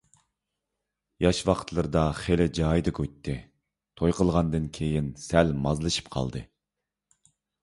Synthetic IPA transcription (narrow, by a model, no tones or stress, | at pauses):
jɑʃwɑqʰt̪ʰlˠɨɾɨd̪ɑχelɪd͡ʒɑːjd̪ɨkʰʲøt̪ʰːɪ | t̪ʰojqəlˠʁɑnd̪ɨnkʲʰejinsælmɑzlˠɨʃɨ̥p̚qʰɑ̰lˠd̪ɨ̰